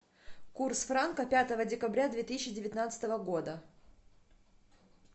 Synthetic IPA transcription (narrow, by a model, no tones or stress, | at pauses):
kursfɾankəpʲat̪əvədʲɪkɐbɾʲad̪vʲet̪ɨsʲɪɕːɪdʲɪvʲɪt̪nat̪sɨ̥t̪əvəɡo̞d̪ə